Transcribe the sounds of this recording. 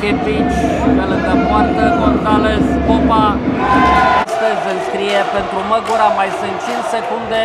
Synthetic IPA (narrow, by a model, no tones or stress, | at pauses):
kepit͡ʃfelɨnd̪əmoart̪əɡonzaleskopa | ast̪əzʲɨnskɾijepent̪ɾuməɡuɾamajsɨnt͡ʃinsekund̪e